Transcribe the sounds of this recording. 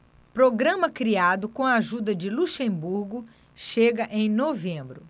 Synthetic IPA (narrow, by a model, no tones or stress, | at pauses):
pɾoɡɾɐ̃mɐkɾiad̪ʊkõɐaʒud̪ɐd͡ʒɪluʃẽbuɾɡʊ | ʃeɡɐʔẽj̃novẽmbɾʊ